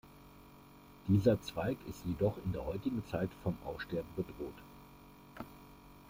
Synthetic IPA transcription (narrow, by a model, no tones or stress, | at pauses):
d̥iːzɐt͡sv̥aɪkɪstjedɔχɪndeːɐɦɔʏtɪɡŋ̩t͡saɪtfɔmʔa̰ʊfʃtɛɐbm̩bədʁoːt